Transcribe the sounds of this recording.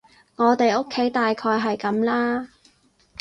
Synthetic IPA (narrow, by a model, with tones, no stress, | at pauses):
ŋɔː˨˧t̪e˨jo˥kʰːe˨˥jt̪aː˨jkʰɔː˧jɦɐ˨jkɐ˨˥mlaː˥